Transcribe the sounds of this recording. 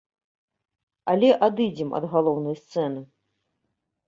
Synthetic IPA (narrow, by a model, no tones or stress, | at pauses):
ɐlʲɛʔad̪ɨd͡zʲɛmɐ̰d̪ɣalˠɔwnɐjst̪sɛn̪ɨ